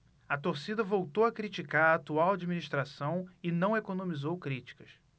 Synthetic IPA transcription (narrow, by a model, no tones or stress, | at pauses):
ɐt̪oɾsid̪ɐvowt̪owɐkɾit͡ʃikaɾːt̪uawad͡ʒiminiʃt̪ɾasɐ̃w̃ɪnɐ̃w̃ekonõmizowkɾit͡ʃi̥kɐs